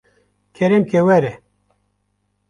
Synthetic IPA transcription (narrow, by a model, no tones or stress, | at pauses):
kʰeɾemkewɛɾe